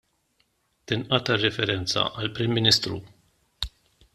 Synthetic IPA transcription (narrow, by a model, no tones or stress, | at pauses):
t̪ɪnʔɐt̪ɐrɛfɛɾɛnt͡sɐ̰ʔɐlpɾimːinist̪ɾṵ